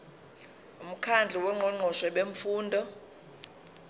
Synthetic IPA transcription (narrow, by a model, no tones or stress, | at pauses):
um̩kʰand͡ɮʱiwɛŋ͡ǃʱɔŋ͡ǃʱɔʃɛɓeɱfuːndʱɔ